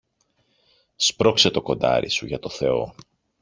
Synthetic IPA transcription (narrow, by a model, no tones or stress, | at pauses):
spɾo̞kse̞t̪o̞ko̞nd̪ɐ̰ɾḭsuʝɐt̪o̞θe̞o̞̰